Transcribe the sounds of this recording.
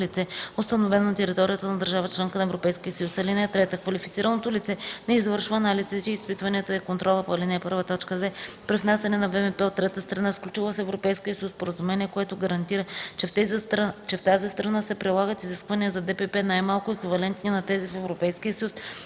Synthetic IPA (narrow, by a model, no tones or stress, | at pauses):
lit̪sɛost̪ɐnovɛnonɐt̪ɛɾit̪ɔɾijət̪ənɐd̪əɾʒavət͡ʃlɛŋkənɐɛvɾopɛjskʲiəsəjusɐlinɛt̪ɾɛt̪əkvɐlifit̪siɾənot̪olit̪sɛnɛizvɤɾʃvəːnalizit͡ʃɛispit̪vɐniət̪əɛkont̪ɾʔɔlˠəpoɐlinɛɛpɤ̰ɾvət̪ɔt͡ʃkəd̪vɛ | pɾivnasʲɛnɛnɐvɛvɛpɛot̪ːɾɛt̪əst̪ɾɐnasklʲut͡ʃilˠəsɛɛvɾopɛjskiəsuspoɾəzumɛniɛkoɛt̪ʊɡɐɾɐnt̪iɾət͡ʃɛ | t͡ʃɛft̪azist̪ɾɐnasɛpɾilˠaɡət̪iziskvɐniəzɐd̪ɛpɛpɛnajmalˠkʊɛkvivɐlɛnt̪ninɐt̪ɛzifɛvɾopɛjskiəsəjus